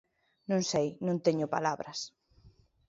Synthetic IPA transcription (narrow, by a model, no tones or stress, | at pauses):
nõŋsejnõnt̪eɲʊpa̰laβɾɐs